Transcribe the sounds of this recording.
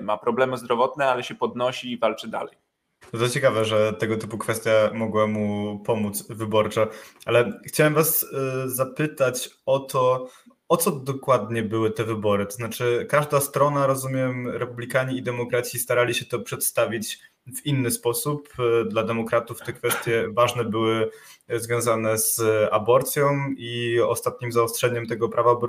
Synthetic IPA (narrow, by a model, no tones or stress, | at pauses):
mapɾɔblɛmɘzd̪ɾɔvɔt̪̚nɛalɛɕɛpɔd̪nɔɕiːvalt͡ʂɘd̪a̰lɛj | t̪ɔt̪ɔt͡ɕɛkavɛʐɛt̪ɛɡɔt̪ɘ̥pukfɛst̪ʲjamɔɡwamupɔmut̪svɘbɔɾt͡ʂɛʔalɛxt͡ɕawɛmvaszapɘt̪at͡ɕɔt̪ɔ | ɔt̪sɔd̪ɔkwad̪ɲɛbɘwɘt̪ɛvɘbɔɾɘt̪ɔznat͡ʂɘkaʐd̪ast̪ɾɔnaɾɔzumʲjɛmɾɛpublʲikaɲiːd̪ɛmɔkɾat̪sʲist̪aɾalʲiɕɛt̪ɔpʂɛt̪st̪avʲit͡ɕ | vinːɘspɔsupd̪lad̪ɛmɔkɾat̪uft̪ɛkfɛst̪ʲjɛvaʐnɛbɘwɘzvʲjɔ̃w̃zanɛz̥abɔɾt̪sʲjɔ̃w̃iɔ̰st̪at̪̚ɲimzaɔstʂɛɲɛmt̪ɛɡɔpɾʔavabɔ